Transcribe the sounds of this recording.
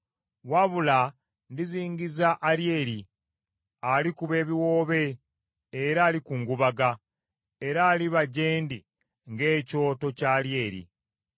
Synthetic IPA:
waβula | ndiziːɲɟizaʔːɾjeːɾi | alikuβe̞ːβiwo̞ːβe̞ː | ɾaːlikuŋɡuβaɡa | e̞ɾaːliβaɟeːndi | ŋɡe̞ːco̞ːto̞caːlje̞ːɾḭ

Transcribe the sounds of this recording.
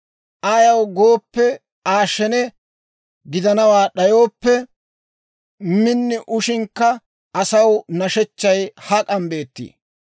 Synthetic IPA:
ʔajɐwɡo̞ːpːɛ | aːʃɛnɛ | ɡɪd̪ɐnɐwaːɗɐjo̞ːpːɛ | mɪnːɪʔʊʃɪŋkːɐ | ʔɐsɐwnɐʃɛt͡ʃːɐjhɐkʼɐmbe̞ːt̪ːḭː

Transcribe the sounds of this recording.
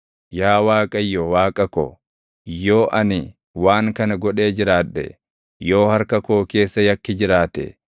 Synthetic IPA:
jaːwaːkʼɐjːɔwaːkʼɐko̰ | joːʔɐnɪ | waːŋkɐnɐɡɔᶑe̞ːd͡ʒɪɾaːᶑɛ̰ | jo̞ːhɐɾkɐkoːke̞ːsːɐjɐkːɪd͡ʒɪɾaːt̪ɛ̰

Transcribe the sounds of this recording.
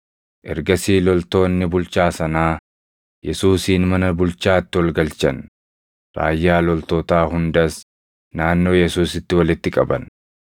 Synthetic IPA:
ʔɛ̰ɾɡɐsiːlɔlt̪o̞ːnːɪbʊlt͡ʃaːsɐnaː | jɛsuːsiːnmɐnɐbʊlt͡ʃaːt̪ːɪwɔlɡɐlt͡ʃɐn | ɾa̰ːjːaːlɔlt̪o̞ːt̪aːɦʊnd̪ɐs | naːnːo̞ːjɛsuːsɪt̪ːɪwɐlɪt̪ːɪkʼɐbɐ̰n

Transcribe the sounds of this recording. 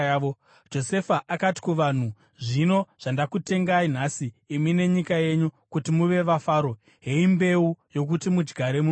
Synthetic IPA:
o | d͡ʒo̞se̞faʔakati̥kuʋan̤u | ʐino̞ʐ̥andakute̞ŋɡain̤asiːmine̞ɲikaje̞ɲukutimuʋe̞ʋafaːɾo̞ | ɦe̞imbe̞ujo̞k̬utimud͡ʒɡʱaɾe̞mu

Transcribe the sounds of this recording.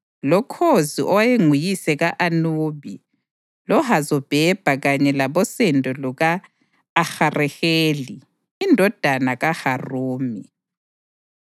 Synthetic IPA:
lɔkʰoziʔɔwajeŋujisɛɣaʔanuβi | lɔɦazɔb̥ʱɛb̥ʱaɣaɲɛlaβɔsɛndʱʼɔluɣaː | xarɛheːli | indʱɔd̥ʱanaɣaharuːmi

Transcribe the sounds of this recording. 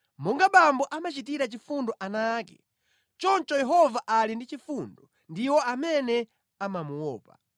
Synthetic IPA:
mɔŋɡaɓambɔʔamat͡ʃit̬iɾat͡ʃifundɔʔanaːkɛ̰ | t͡ʃɔnt͡ʃɔjɛɦɔvaʔalindit͡ʃifundɔ | ndiwɔamɛnɛ | amamuwɔːpa̰

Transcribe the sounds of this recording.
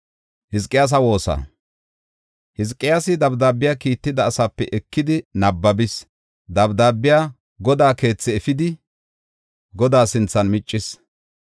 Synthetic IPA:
hɪskʼːɪjaːs̬ɐwo̞ːsɐ̰ | hɪskʼːɪjaːsɪd̪ɐbd̪aːbːɪjaːkiːt̪ːɪd̪ɐːsapːɛʔɛkːɪd̪ɪnɐbːɐbɪs | d̪ɐbd̪aːbːɪjaː | ɡɔd̪aːke̞ːt͡sːɛɛfɪd̪ɪ | ɡɔd̪aːsɪnt͡sːɐnmɪt͡ʃʼːɪs

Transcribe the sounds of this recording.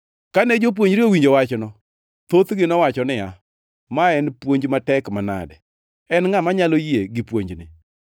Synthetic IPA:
kanɛd͡ʒop̬woɲd͡ʒɾɪowiɲd͡ʒowat͡ʃnɔ | t̪ot̪ɡɪnɔwat͡ʃɔnɪa | maɛnpwoɲd͡ʒmatɛkmana̰dɛ | ɛnŋamaɲalojeɡɪpwoɲd͡ʒnɪ̰

